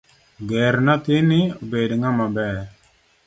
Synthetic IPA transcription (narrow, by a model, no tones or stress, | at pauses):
ɡɛɾnat̪inibedŋamabɛ